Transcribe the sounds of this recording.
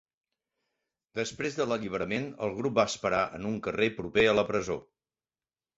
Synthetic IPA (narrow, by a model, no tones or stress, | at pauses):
d̪əspɾezðələʎiβ̞əɾəmenə̰lˠɣɾup̚baəspəɾaʔə̰nuŋkərepɾupeələpɾəzo̰